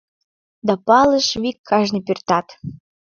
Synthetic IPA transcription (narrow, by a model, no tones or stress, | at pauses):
d̪ɑpɑlə̆ʃβikʰːɑʒnipyrt̪ɑt̪